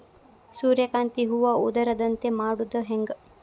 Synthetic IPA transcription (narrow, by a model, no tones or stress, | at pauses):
suːɾjɐkaːnt̪iɦuʋɐud̪ɐɾɐd̪ɐnt̪emaːɽud̪ɐɦeŋɡ